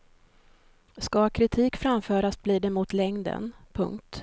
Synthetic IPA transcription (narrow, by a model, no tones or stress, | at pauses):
skakʰɾɪt̪ʰiːkfɾamfœːɾasbliːɖ̪ɛmʊt̪lɛŋd̪ə̰npʰɵ̰ŋkt̪